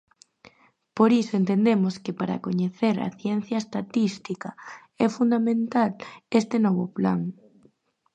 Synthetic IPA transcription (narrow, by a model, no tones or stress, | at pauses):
poɾisoent̪end̪emoskepaɾa̰koɲeθeɾa̰θjɛn̟θjaest̪at̪ist̪ika | ɛfund̪amẽnt̪alest̪enɔβ̞opla̰ŋ